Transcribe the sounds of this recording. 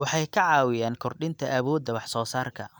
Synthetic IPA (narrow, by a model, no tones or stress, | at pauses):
wɑħɑjkʰɐʕɑːwɪjaːnkʰɔrɖɪnt̪ʰɐʔɐβɔːd̪ːɐwɑħsɔːsaːrkʰɐ